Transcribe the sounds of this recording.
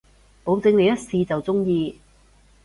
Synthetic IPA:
po˨˥wt͡sɪ˧ŋne˨˧jɐ˥t̚siː˧t͡sɐ˨wt͡sʊ˥ŋjiː˧

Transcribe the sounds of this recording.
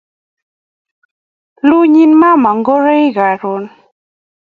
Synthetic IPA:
lu˦ɲi˧nma˦ma˨ŋɡo˦ɾe˦jɣa˨ɾo˨n

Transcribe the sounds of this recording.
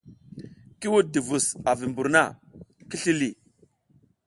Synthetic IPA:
ki˦wu˦t̚di˨vu˨sa˨vi˨mbu˨ɾna̰˦˨ | ki˦ɬi˦li˨

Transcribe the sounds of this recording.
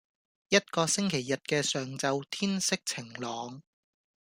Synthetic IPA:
jɐ˥t̚kɔː˧sɪ˥ŋkʰe˨˩jːɐ˨t̚kɛː˧sœː˨ŋt͡sɐ˧wt̪ʰiː˥nsɪ˥k̚t͡sʰɪ˨˩ŋlɔː˨˧ŋ

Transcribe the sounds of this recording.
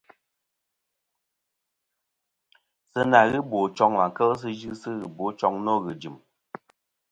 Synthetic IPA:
sɨ˦na˨ɣɨ˦bɔ˨t͡ʃɔ˦ŋa˨ŋ˨kɛ˦ls̬ɨ˦d͡ʒɨ˦sɨ˦ɣɨ˨bɔ˨˦t͡ʃɔ˨˦ŋnɔ˦ɣɨ˨d͡ʒɨ˨m

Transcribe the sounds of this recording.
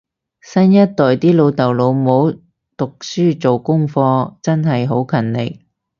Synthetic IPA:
sɐ˥njɐ˥t̚t̪ɔː˨jt̪iː˥lo˨˧wt̪ɐ˨˩wlo˨˧wmo˨˥w | t̪ʊ˨k̚syː˥t͡so˨wkʊ˥ŋfɔː˧t͡sɐ˥nɦɐ˨jɦo˨˥wkʰɐ˨˩nlɪ̰˨˩k̚

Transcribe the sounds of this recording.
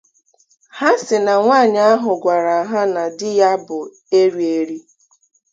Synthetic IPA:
ha˦sɪ˨na˨ŋʷaː˦˨ɲ˨a˦ɦʊ˨ɡʷa˨ɾa˨ɦa˦na˨dɪ˦ja˦bʊ˨ | e˦ɾi˦e˦ɾi˦

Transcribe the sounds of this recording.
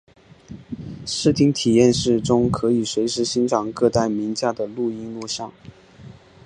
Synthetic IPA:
ʂɻ̩˥˩t̪ʰi˧˥ŋt̪ʰi˨˩jɛ˥˧nʂɻ̩˥˩ʈ͡ʂʊ˥ŋkʰɤ˧˥i˨˩swe˧˥ɪʂɻ̩˧˥ɕi˥nʈ͡ʂʰɑ˨˩ŋkɤ˥˧t̪a˥˩ɪmi˧˥ŋt͡ɕja˥˩d̪ə˩lu˥˩i˥ŋlu˥˧ʂɑ˥˩ŋ

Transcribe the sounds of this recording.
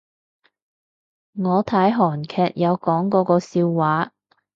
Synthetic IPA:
ŋɔː˨˧t̪ʰɐ˨˥jɦɔː˨˩nkʰɛː˧k̚jɐ˨˧wkɔː˨˥ŋkɔː˧kɔː˧siː˧wːaː˨˥

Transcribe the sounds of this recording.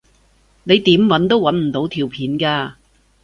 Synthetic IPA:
ne˨˧jt̪iː˨˥mwɐ˨˥nt̪o˥wɐ˨˥nm̩˨˩t̪o˨˥wt̪ʰiː˨˩wpʰiː˨˥nkaː˧

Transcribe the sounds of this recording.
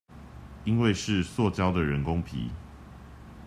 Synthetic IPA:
i˦nwe˥˨ɪʂɻ̩˥˨swɔ˥˨t͡ɕjɑ˦ʊd̪ə˨ɻə˨˦nkʊ˦ŋpʰḭ˨˦

